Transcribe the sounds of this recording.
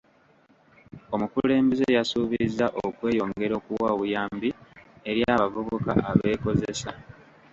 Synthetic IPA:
o̞mukule̞ːmbezejasuːβizːaʔokwe̞ːjo̞ːŋɡe̞ɾo̞ːkuwaβujaːmbieɾjaːβavoβoka̰ʔaβe̞ːko̞zesa

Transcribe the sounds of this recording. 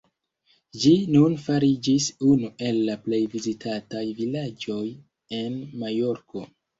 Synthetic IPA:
d͡ʒinunfaɾid͡ʒisunuʔe̞lːaple̞jvizitʰatajvilad͡ʒo̞j | e̞nmajo̞ɾko̞

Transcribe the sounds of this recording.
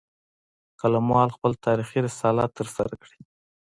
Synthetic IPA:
kalamwɑlxpəlt̪ʰɑɾixiɾəsɑlɑt̪ːəɾsa̰ɾakɽi̥

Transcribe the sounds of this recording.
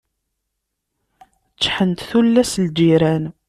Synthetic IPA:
t͡sːħənt̪θulːæsld͡ʒiɾæn

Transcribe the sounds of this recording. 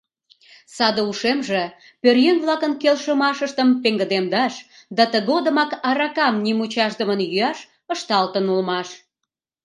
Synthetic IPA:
sɑd̪əuʃemʒĕ | pørjenβlɑkənkelʃəmɑʃəʃt̪əmpeŋɡə̆d̪emd̪ɑʃd̪ɑt̪əɣod̪ə̆mɑkɑɾɑkɑmnimut͡ɕɑʃd̪əmənjyɑʃ | əʃt̪ɑlt̪ənulmɑʃ

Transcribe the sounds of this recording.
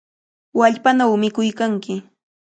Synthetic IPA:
waʎpanawmɪkʊjkaŋkɪ

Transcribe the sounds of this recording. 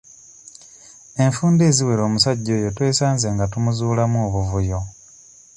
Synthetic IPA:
e̞ɱfuːnde̞ːziwe̞ɾo̞ːmusaɟːo̞ːjotwe̞ːsaːnze̞ːŋɡatumuzuːlamuːβuvujo̞

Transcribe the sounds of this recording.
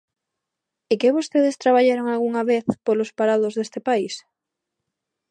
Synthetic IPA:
ɪkeβost̪eðɪst̪ɾaβ̞aʎaɾoŋalɣuŋaβeθpolospaɾaðozðest̪epais

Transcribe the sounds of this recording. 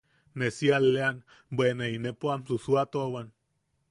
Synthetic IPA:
nesialean | bwenainepoamsusuat̪owan

